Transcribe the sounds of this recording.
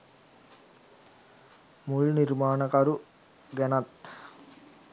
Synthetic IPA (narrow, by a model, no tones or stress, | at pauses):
mulnirmaːnəkaɾu | ɡænat̪